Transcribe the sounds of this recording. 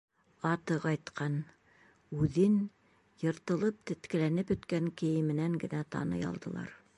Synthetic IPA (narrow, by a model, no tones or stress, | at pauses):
ɑt̪ɤqɑjt̪qʰɑn | ʉðɘn | jɤ̆ɾt̪ɤ̆lˠɤp̚t̪ɘ̆t̪kɘ̆lænɘpɵ̆t̪kæŋkɘ̆jɘ̆mɘ̆næŋɡɘ̆næt̪ɑ̰nɤ̰jɑ̰lˠd̪ɤ̆lˠɑ̰ɾ